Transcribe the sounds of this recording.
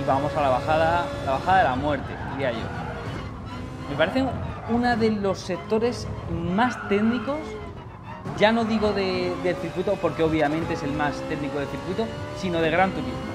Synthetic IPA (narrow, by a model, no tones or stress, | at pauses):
βamo̞salaβaxaðalaβaxaðaðelamwe̞ɾt̪e̞̰iɾiaʝo̞̰ | mespaɾe̞θe̞ŋunaðe̞lo̞sːe̞k̚t̪o̞ɾe̞smast̪e̞ɣniko̞s | ɟ͡ʝano̞ðiɣ̞o̞ðe̞ðe̞lθɾikwut̪o̞poɾke̞o̞βjamẽnt̪e̞ese̞lmast̪e̞ɣniko̞ðeθiɾkwit̪o̞sino̞ð̞e̞ɣ̞ɾant̪uɾizmo